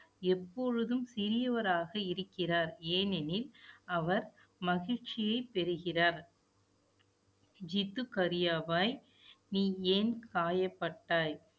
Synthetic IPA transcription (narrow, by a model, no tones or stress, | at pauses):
ɛpːɔɻɯðɯmsɪɾɪjɐʋɐɾaːɣɐɪɾɯkːɪraːɾeːnɛnɪlɐʋɐɾ | mɐɣɪɻt͡ʃɪjɐɪpːɛɾɯɣɪraːɾ | d͡ʒɪt̪ːɯkɐɾɪjaːʋaːj | niːeːnkaːjɐpːɐʈːaːj